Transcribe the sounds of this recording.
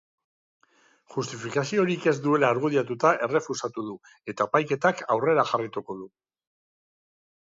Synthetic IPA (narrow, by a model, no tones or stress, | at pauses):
ʝust̪ifikasio̞ɾike̞zd̪ue̞laːɾɣuðiat̪ut̪aʔe̞re̞fusat̪uðu | e̞t̪apajke̞t̪akawre̞ɾaxarit̪uko̞ðu